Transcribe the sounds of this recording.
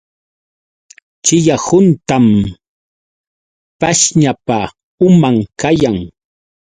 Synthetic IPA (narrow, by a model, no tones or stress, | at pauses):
t͡ʃɪjahʊnt̪am | paʃɲapa | ʊmaŋkajaŋ